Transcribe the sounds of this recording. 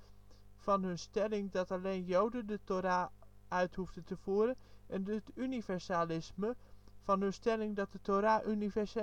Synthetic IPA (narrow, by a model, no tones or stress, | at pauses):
vɑnɦɵnstɛlɪŋdɑtɑlejnjowdəndətoɾaː | œɥtɦufdəntəv̥uːɾənʔɛndtynivɛɹsalɪsməvɑnɵnstɛlɪŋdɑt̚dətoɾaːʔynivɛɹs